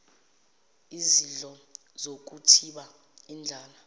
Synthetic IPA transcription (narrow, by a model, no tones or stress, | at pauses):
iziɮʼɔ | zok̬utʰiɓa | ind͡ɮʱaːla